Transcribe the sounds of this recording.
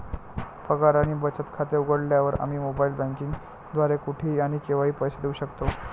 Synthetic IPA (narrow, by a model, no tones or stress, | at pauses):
pəɡaɾaniːbət͡sət̪kʰat̪euɡəɽljaʋəɾa̰m̤iːmobailbãŋkiŋɡ | d̪ʋaɾekuʈʰiːaɽ̃ikeʋaɦiːpəjsed̪euɕəkt̪o